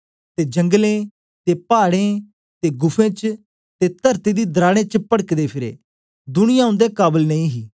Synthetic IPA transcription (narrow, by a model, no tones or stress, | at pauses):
t̪ed͡ʒɐ̃ŋɡlẽ | t̪epaːɽẽ | t̪eɡʊpʰẽːt͡ʃ | t̪et̪ɐɾt̪id̪iːd̪ɾaːɽ̃ẽt͡ʃpəɽəkd̪eːpʰɪɾḛː | d̪ʊñɪjãːʊ̃nd̪ekaːbəlnɐĩɦiː